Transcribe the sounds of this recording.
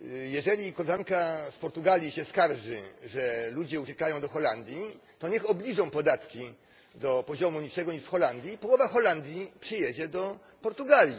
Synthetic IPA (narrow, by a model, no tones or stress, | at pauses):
jɛʐɛlʲikɔlɛʐaŋkaspɔɾt̪uɡalʲjiɕɛskaɾʐɘ̰ʐɛlud͡ʑɛut͡ɕɛkajɔ̃w̃d̪ɔxɔland̪ʲjit̪ɔɲɛxɔblʲiʐɔ̃w̃pɔd̪at̪kʲi | d̪ɔpɔʑɔmuɲit͡ʂɛɡɔɲiʂfxɔland̪ʲjipɔwɔvaxɔland̪ʲjipʂɨjɛd͡ʑɛd̪ɔ | pɔɾt̪uɡalʲji